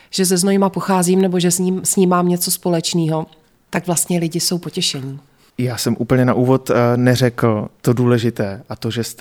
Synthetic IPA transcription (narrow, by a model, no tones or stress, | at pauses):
ʒ̥ɛzɛznojɪmapo̞xaːziːmnɛbo̞ʒɛsɲiːmsɲiːmaːmɲɛt͡so̞spo̞lɛt͡ʃniːɦo̞ | t̪aɡvlast̪ɲɛlɪɟɪso̞wpo̞cɛʃɛɲi | jaːsɛmʔuːpl̩ɲɛnaʔuːvot̪nɛrɛkl̩t̪oduːlɛʒɪt̪ɛːʔat̪oʒɛst̪